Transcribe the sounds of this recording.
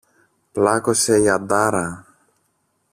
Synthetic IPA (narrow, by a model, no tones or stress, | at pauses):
plakosejad̪aɾɐ